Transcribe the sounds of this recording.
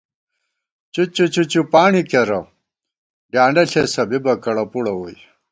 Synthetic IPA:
t͡ɕut͡ɕut͡ɕut͡ɕupaːɳikeɾɐ | ɖjaːɳɖɐɬesɐbibɐkɐɽɐpuɽɐwoj

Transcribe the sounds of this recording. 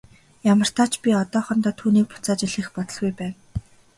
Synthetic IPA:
jamə̆r̥t̪aːt͡ɕpʲiɔt̪ɔːχɞ̆nt̪ɔːt̪ʰuːniːk̚pʊ̥t͡saːt͡ɕɪɮĭxpɔt̪ɞ̆ɮɣujpæːn

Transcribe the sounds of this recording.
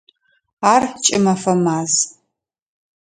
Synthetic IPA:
aːrt͡ʃʼɪmɐfɐmaːz

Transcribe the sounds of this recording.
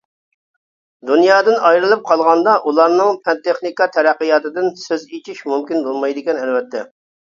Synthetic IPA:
d̪unjɑːd̪ɨnɑjɾɨlˠɨp̚qʰɑlˠʁɑnd̪ɑʔulˠɑɾnɨŋpʰɛnt̪eχnikɑt̪ʰɛɾæqːəjɑːt̪ɨd̪ɪnsøzit͡ʃʰiʃmumkʲinbolˠmɑjd̪ɪkʲɛnɛlwɛt̪ʰːɛ

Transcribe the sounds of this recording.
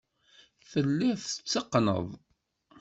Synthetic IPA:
θəlːæθə̥t͡sːəqːnə̰ðˤ

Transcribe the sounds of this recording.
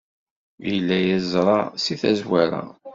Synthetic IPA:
jəlːæjæzɾˤɑsiθæzwæɾa̰

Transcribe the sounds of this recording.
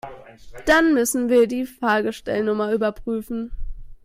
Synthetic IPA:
d̥anmʏsn̩viːɐdiːfʁaːɡəʃtɛ̰lnʊmɐyːbɐpʁ̥yːfn̩

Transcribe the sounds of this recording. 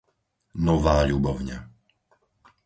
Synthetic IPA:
nɔʋaːʎubɔʊɲa̰

